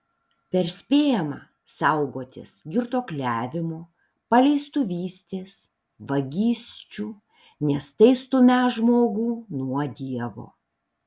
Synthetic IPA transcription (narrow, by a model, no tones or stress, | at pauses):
pʲɛɾsʲpʲeːjɛmɑː | sɐʊɡoːt̪ʲɪ̰sɡʲɪɾt̪oːklʲæːʋʲɪmoː | pɐlʲɛɪst̪ʊʋʲiːsʲt̪ʲeːs | ʋɐɡʲiːsʲt͡ʃʲuː | nʲɛst̪ɐɪst̪ʊmʲæʒmoːɡuːnuɔd̪ʲiɛʋo̰ː